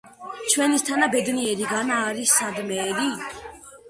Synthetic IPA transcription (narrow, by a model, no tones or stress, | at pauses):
t͡ʃʰwɛnist̪ʰanabɛd̪niɛɾiɡanaːɾisːad̪mɛːɾi